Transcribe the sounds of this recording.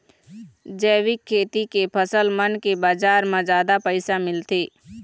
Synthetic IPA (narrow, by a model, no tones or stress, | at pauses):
d͡ʒɛːʋɪkʰːeːt̪ikepʰəsəlmənkebaːd͡ʒaːɾmãzaːd̪apəɪsamɪlt̪eː